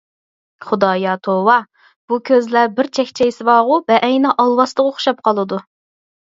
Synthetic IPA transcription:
χʊd̪ɑːjɑt̪ʰowɑ | b̥ukʲʰøzlæbɪɾt͡ʃʰɛkʲt͡ʃʰɛjsɨvɑːʁʊbɛʔɛjnɑʔɑlˠwɑst̪əʁoχʊ̥ʃɑp̚qʰɑlˠɨd̪u

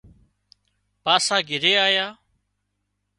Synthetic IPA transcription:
paːsaːɡɪɾeːaːjaː

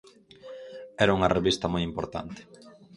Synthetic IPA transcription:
ɛɾauŋɐreβist̪ɐmojimpoɾt̪a̰nt̪e̥

